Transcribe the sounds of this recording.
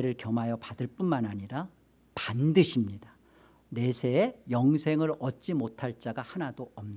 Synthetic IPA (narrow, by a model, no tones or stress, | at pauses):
eɾɯɭkjʌmɦajʌpadɯɭp͈unmanaɲiɾa | pandɯɕʰimɲida | ne̞sʰe̞ːjʌŋsʰe̞ŋɯɾʌt̚t͡ɕ͈imotʰaɭt͡ɕ͈aɡahanadoʌmɲ